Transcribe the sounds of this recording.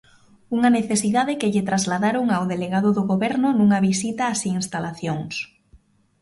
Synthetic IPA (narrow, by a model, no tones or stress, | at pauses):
uŋaneθesiðaðɪkɪʎɪt̪ɾazlaðaɾoŋawðeleɣaðʊðoɣoβɛɾnʊnuŋaβisit̪aːsiinst̪alaθjoŋs